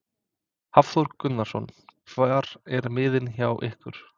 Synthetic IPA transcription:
hafθɔɾkːʏt̪naɾ̥sɔ̰nkʰvaɾɛɾmɪːðɪnçawʔɪhkvʏɾ̥

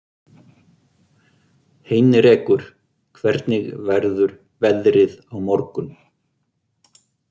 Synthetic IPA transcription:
heːjnɪɾɛːkʏɾ̥ | kʰvɛɾt̪nɪɣvɛɾðʏɾ | vɛðɾɪðawmɔɾkʏn

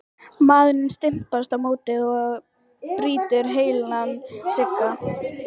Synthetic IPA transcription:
maðnɪnst̪ɪm̥past̪awmoːwt̪ɪðɔ | pɾiːt̪ʏɾɦeːjlanːsɪkːa

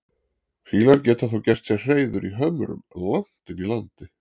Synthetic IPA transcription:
fiːlaɾcɛːt̪aθowcɛr̥t̪sɛr̥eːjðʏɾiɦœmɾʏ̰mlan̥t̪ɪnilant̪ɪ

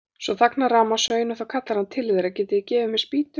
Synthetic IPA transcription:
svɔθaknaɾaːmasœɥjnʏθawkʰat̪laɾhant̪ʰɪlvɪðɾacɛːt̪ɪicɛːvʏmɛðspiːt̪ʏ

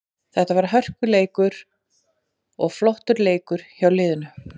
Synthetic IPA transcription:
θɛht̪avaɾɦœr̥kʏleːjkʏɾ | ɔɣflɔht̪ʏɾleːjkʏɾ̥çawlɪːðʏnʏ

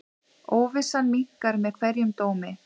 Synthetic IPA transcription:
oːwvɪsanmiŋ̥kaɾmɛðkʰvɛɾjʏmt̪oːwmɪ

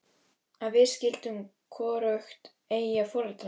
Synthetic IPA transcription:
aðvɪðscɪlt̪ʏm | kʰɔːɾœxt̪ | eːjjafɔɾɛt̪

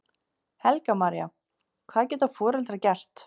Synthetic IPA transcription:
hɛlkamaɾja̰ | kʰvaːðcɛːt̪afɔːɾɛlt̪ɾacɛr̥t̪

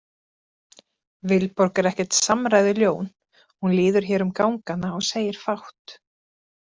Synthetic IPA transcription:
vɪlpɔɾkaɾɛhcɛ̥t̪samɾaːjðɪljoːwn | hunlɪːðʏɾ̥çɛːɾʏmkawŋkanːaɔɣseːjɪɾ̥fawht̪

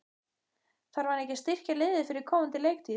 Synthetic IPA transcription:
θaɾvaɾɛhcɪst̪ɪr̥calɪːðɪfɪɾɪɾ̥kʰɔːwmʏnt̪ɪleːjk̚t̪ʰi

